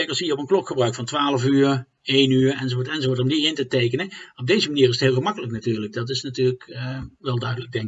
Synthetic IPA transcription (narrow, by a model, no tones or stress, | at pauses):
kəlˠsiːəɔpənklɔkxəbrœɥkfɑntʋaːləvyːɹ | ejnyːɹɛnzovotɛnzovoɹtɔmdiɪntətejkənəɔb̚dejzəmaniːrɪs̬ətɦɪːlˠɣəmɑkələknatyːɹlək̚dɑtɪsnatyːləkʋɛlˠdœɥdələɡ̚dɛŋk